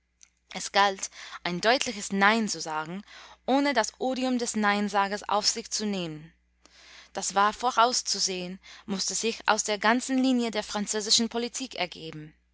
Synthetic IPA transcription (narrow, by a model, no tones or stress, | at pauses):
ʔɛsɡ̥altʔaɪndɔʏtʰlɪçəsnaɪnt͡suzaːɡŋ̩ʔoːnədasʔoːɾiʊmdɛsnaɪnzaːɡɐsʔa̰ʊfz̥ɪçt͡suneːmən | d̥asv̥aːɐfoʁaʊst͡suzeːənmʊstəzɪçʔa̰ʊsd̥eːɐɡant͡sn̩liːnjədeːɐfʁ̥ant͡søːzɪʃn̩pʰolitʰiːkɛ̰ɐɡeːbm̩